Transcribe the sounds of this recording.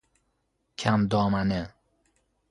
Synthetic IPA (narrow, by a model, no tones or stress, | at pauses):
kʰamd̪ɔːmanə